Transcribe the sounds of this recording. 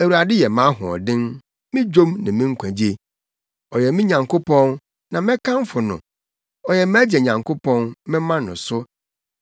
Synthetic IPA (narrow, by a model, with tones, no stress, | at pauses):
æ˨wu˨ɾa˨dɪ˦jɛ˨mã˨˦ɦʊ̰̃˨ɔ̰˨dɪ̃˦n | mɪ̃˦d͡ʑᶣõ˦mnã˨mĩ˦ŋ̩˦kʷʰæ̃˨d͡ʑe˨ | ɔ˨jɛ˨mɪ̃˦ɲã˨ŋkʰo˦pɔ̃˦n | nã˨mɪ̃˦kʰã˦n˦fʊ˨nʊ̰̃˨ | ɔ˨jɛ˨m˦æ˦d͡ʑɛ˨ɲã˨ŋkʰʊ˦pʰɔ̃˦nmɪ̃˦mã˦nʊ̃˨sʊ˦